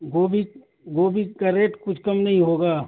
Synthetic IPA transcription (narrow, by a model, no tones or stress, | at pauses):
ɡoːbʱi | ɡoːbʱikɐɾeːʈkʊt͡ʃʰkɐmnɐɦĩɦoːɡaː